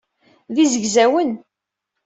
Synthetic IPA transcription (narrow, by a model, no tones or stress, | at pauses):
ðizəʝzæwən